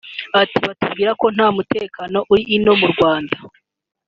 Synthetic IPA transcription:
atiβatubɡiːɾako̞n̥haːmute̞ːkano̞ʔuɾiːno̞muɾɡwaːnda

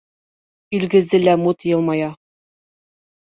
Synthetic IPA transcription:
ilɡɘ̆zd̪ɘlæmut̪jɤ̆lˠmɑjɑ

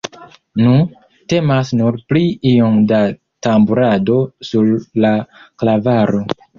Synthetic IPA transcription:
nu | te̞masnuɾpliioŋda | tambuɾado̞suɾːaklavaɾo̞

